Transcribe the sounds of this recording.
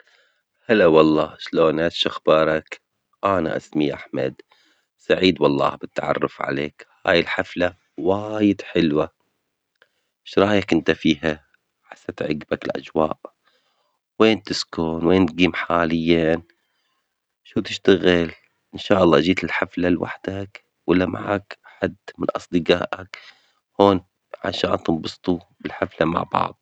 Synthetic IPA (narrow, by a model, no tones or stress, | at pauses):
halawɑlˤːɑːʃloːnʔat̪ʃaxbɑːɾˤɑk | ʔaːna̰ʔa̰smiʔa̰ħma̰d̪ | saʕiːd̪wɑlˤːɑ̰ːbɪt̪ːaʕɑ̰rˤːʊfʕa̰lḛːkha̰ːjɪlħafla | waːjɪd̪ħɪlwa | ʃɾˤɑːjakʔɪnt̪afiːɦa | ħasːat̪ʕɪɡbakɪlʔa̰d͡ʒwa̰ːʔ | weːnt̪ɪskoːnweːnt̪̚ɡiːmħaːlɪjːan | ʃuːt̪ɪʃt̪aɣɪl | ʔɪnʃaːʔɑlˤːɑ̰ːd͡ʒiːt̪ɪlħaflalwa̰ħd̪̥ak | wɪlːama̰ʕakʔħad̪mɪnʔɑsˤd̪ɨɡa̰ːʔak | hoːn | ʕa̰ʃa̰ːnt̪ɨmbɑst̪ˤubɪlħaflama̰ʕbɑ̰ʕðˤ